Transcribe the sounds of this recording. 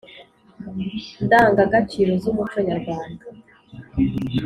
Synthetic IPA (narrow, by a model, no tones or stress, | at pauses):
ndaːŋɡaɡat͡ʃiɾozumut͡ʃo̞ɲaɾɡwaːŋɡa